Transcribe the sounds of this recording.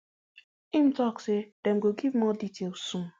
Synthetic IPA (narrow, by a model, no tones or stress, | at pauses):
ĩmtɔksed̥ɛ̃mɡoɡivmɔditʰelsũm